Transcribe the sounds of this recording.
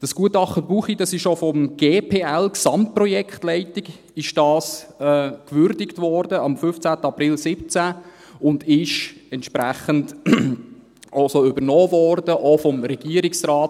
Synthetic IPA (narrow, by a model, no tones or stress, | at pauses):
d̥ɑsɡ̥uətɑχtəbuːχidɑsɪʃofɔmɡ̥eːpʰeːɛlksɑmt̚prɔjɛkχtlɛɪtɪɡ | ɪʃd̥ɑːsɛːkvʏɾdɪktvɔːɾdəɑmfʏft͡sæːtəɑprɪlsɪp̚t͡sæ | ʊndɪʃɛntʃpɾæχənd | ʔosoʏbəɾnoːvɔrdəʔofɔmɾɛɡ̥iəɾɪksrɑːt